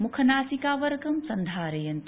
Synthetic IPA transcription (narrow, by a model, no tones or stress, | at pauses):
mukʰɐnaːsikaːʋɐɾɡɐmsɐnd̪ʱaːɾɐjɐnt̪